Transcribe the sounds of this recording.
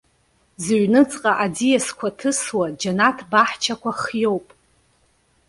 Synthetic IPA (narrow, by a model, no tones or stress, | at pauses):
zʒʷᶣnɨt͡sʼqʼaʔad͡zijaskʷʰatʰɨswad͡ʒanatʰbaħt͡ʃʰakʷʰaχjo̞wpʼ